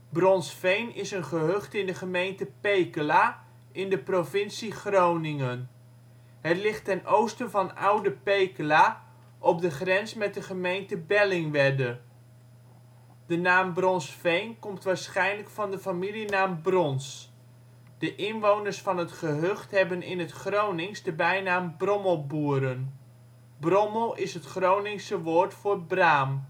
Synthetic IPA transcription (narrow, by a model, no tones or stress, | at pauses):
brɔnsfejnɪsənχəɦøχtɪndəχəmejntəpejkəlaː | ɪndəprovɪnsiχrownɪŋən | ɦətlɪχtɛnʔowstənvɑna̰wdəpejkəlaː | ʔɔp̚dəχrɛnsmɛt̚dəχəmejntəbɛlɪŋʋɛdə | d̥ənaːmbrɔnsfejnkɔmtʋaːɹsχɛjnləkfɑndəfamilinaːmbrɔns | d̥əʔɪnʋownərsfɑnɦətχəɦøχtɦɛbənɪnɦətχrownɪŋsdəbɛjnaːmbrɔməlˠbuəɾən | brɔməlˠɪsɦətχrownɪŋsəʋoːɹtfʊːrbraːm